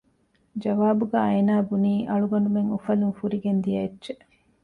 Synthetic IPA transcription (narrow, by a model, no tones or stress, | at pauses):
d͡ʒɐʋaːbuɡaːɐjnaːbuniːʔɐɭuɡɐnɖumeŋufɐluŋfuɾiɡend̪ijɐetːʃe